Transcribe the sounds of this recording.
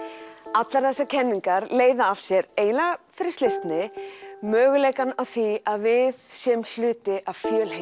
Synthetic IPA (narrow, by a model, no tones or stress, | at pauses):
at̪laɾ̥θɛsːacʰɛnːiŋkaɾleːjðaːv̥sjɛɾeːjnafɪɾɪ̥ɾst̪ejst̪nɪmœːɣʏleːjkanawθiaðvɪðsjɛml̥ʏːt̪ɪʔav̥fjœːlhe